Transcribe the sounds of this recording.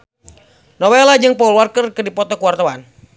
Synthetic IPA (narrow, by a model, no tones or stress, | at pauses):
nɔwɛlad͡ʒɨŋpɔulwarkərkɨdipɔt̪ɔkuwart̪awan